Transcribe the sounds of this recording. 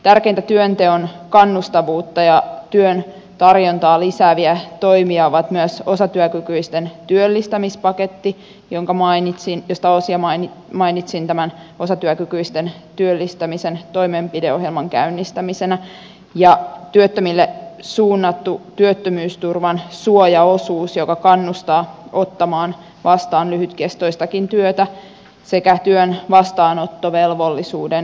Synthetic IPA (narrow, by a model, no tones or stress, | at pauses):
t̪ærkent̪æt̪yønt̪eonkɑnːust̪ɑʋuːt̪ːɑjɑt̪yøn | t̪ɑrjont̪ɑːlisæːʋiæt̪o̞imiɑoʋɑt̪myæso̞sɑt̪yøkykyist̪ent̪yølːist̪æmispɑket̪ːi | jo̞ŋkɑmɑinit̪sinjost̪ɑosiɑmɑn | mɑinit̪sint̪æmæn | o̞sɑt̪yækykyist̪e̞n | t̪yølːist̪æmise̞nt̪o̞imempideoɦjelmɑŋkæ̰ynːist̪æmisenæ | jɑt̪yøt̪ːømilːesuːnːɑt̪ːut̪yøt̪ːømyːst̪urʋɑnsuojɑosuːsjokɑkɑnːust̪ɑːot̪ːɑmɑːn | ʋɑst̪ɑːnlyhyt̪kest̪oist̪ɑkint̪yøt̪æ | sekæt̪yønʋɑst̪ɑːnot̪ːoʋelʋolːisuːden